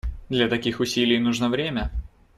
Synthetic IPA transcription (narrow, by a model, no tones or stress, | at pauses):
d̪lʲɐt̪ɐkʲixʊsʲilʲɪjnuʐnəvɾʲemʲə